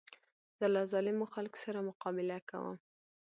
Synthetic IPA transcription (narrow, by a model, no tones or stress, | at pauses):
d̪̥alɑzɑlɪmoxalko̥saɾamʊqɑbɪlaka̰wə̰m